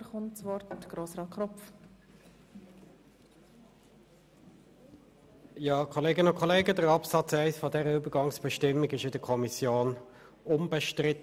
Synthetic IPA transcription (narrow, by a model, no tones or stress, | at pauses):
χʊntsʋɔɾtɪtɡ̥ɾoːsɾɑːtkʰɾɔpf | jɑːkʰɔleːɡənəʊnkʰɔleːɡədəɾɑpsɑt͡sæɪsfɔdɛʁəybəʁɡɑŋsb̥əʃtɪmːɪɡɪʃɪdəkʰɔmisjoːn | ʊmbəʃtʁɪt̪